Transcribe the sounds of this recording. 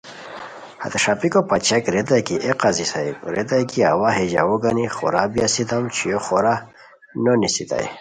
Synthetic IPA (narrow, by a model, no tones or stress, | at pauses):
ha̰t̪eʂapikopat͡ɕakɾed̪akiʔeqazisaibɾed̪ajkia̰waɦed͡ʑa̰wuɡaniχo̰ɾabijasit̪amt͡ɕʰijoχoɾa | nonisit̪a̰j